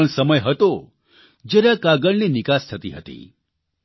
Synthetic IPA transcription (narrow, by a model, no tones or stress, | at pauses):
əɳsəməjɦət̪o | d͡ʒeɾakaɡəɭninɪkast̪ʰət̪ḭɦət̪ḭ